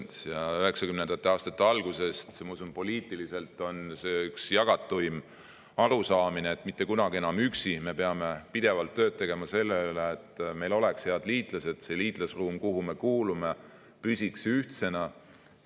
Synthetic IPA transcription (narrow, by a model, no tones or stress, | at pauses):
jɑyɦe̞ksɑkymnend̪ɑt̪ːˑeɑːst̪ɑt̪ːeɑlɡ̥use̞st̪mɑusunpo̞liːt̪ːˑilise̞lt̪ːˑo̞nse̞ːyksjɑɡ̥ɑt̪ːˑujm | ɑɾusɑːmineːt̪ːˑmit̪ːe̞kunɑɡ̥ie̞nɑmyksime̞pe̞ɑme̞pid̪̥e̞vɑlt̪ːø̞ːd̪̚t̪e̞ɡ̥e̞mɑse̞lːeyleːt̪ːˑme̞jlo̞leksheɑd̪liːt̪ˑlɑse̞d̥̪se̞liːt̪lɑsruːmkuɦume̞kuːlume̞ | pysʲiksyht̪se̞nɑ